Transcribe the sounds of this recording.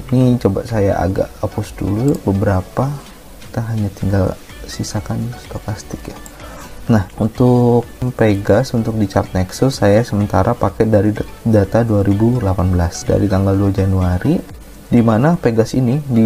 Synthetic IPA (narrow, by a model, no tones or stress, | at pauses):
init͡ʃoba̰ʔsajaʔa̰ɡa̰ʔapusdṵlubəbəɾapa | ki̥t̪aɦaɲat̪iŋɡal | sisakanst̪okast̪ɪkja | nahunt̪ʊk̚peɡasunt̪ʊk̚dit͡ʃart̪̚nɛksʊsːajasəmənt̪aɾʔapakɛdaɾidat̪aduaɾibulapanbəlasda̰ɾit̪aŋɡalduahd͡ʒanuaɾi | dimanapeɡasinidi